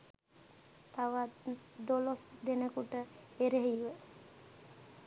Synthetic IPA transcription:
t̪aʋad̪olosd̪enəkuʈəeɾeɦiʋə

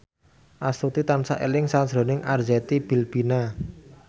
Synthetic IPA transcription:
ʔast̪ut̪it̪ansaʔḛlɪŋsad͡ʒɾo̤nɪŋʔard͡ʒɛt̪ib̥i̤lb̥ina

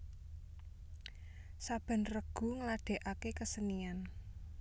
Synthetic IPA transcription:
sab̥a̤nrəɡ̥ṳŋəlaɖ̪̥e̤ʔakekəsənian

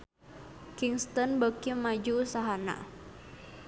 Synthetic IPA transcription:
kiŋst̪ɔnbəkimad͡ʒuːsaɦana̰ʔ

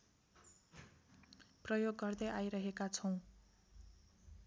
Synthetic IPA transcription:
prʌjoɡːʌrd̪ʌjʔajɾʌɦekat͡sʰʌw̃

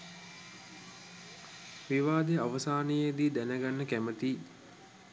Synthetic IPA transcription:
ʋiʋaːd̪eaʋəsaːnəjed̪iːd̪ænəɡanːəkæmət̪iː

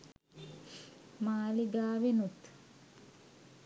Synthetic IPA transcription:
maːliɡaːʋenut̪

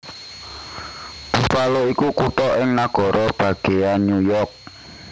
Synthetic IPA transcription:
b̥ufaloikukuʈɔʔɪŋnaɡ̥ɔ̤ɾɔb̥ä̤ɡ̥e̤janujɔrk̚

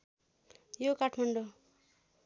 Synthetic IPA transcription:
jokaʈʰmaɳɖo

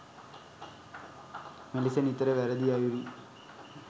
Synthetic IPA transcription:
melisɐnit̪ːɐɾeʋɐɾɐd̪ijaːjuɽi

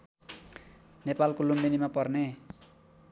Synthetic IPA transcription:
nepalkolumbinimapʌrne

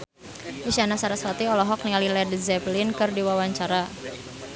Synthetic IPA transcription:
ʔiʃanasaɾasɔt̪iɔlɔɦɔk̚nialilɛdzɛplɪnkɨrdiwawaɲt͡ʃaɾa

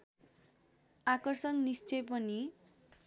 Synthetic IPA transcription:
akʌrsʌnnist͡sʌjp̬ʌni

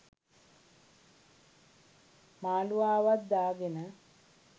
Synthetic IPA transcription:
maːluaːʋat̪̚d̪aːɡenə

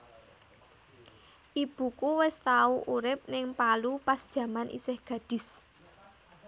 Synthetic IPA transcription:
ʔib̥ṳkuwɪst̪auʔuɾɪp̚nɪŋpalupasd̥ʒ̥ä̤manʔḭsɪhɡ̥ä̤d̥ɪ̤s

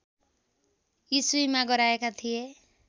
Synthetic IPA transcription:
jisuimaɡʌɾaekat̪ʰije

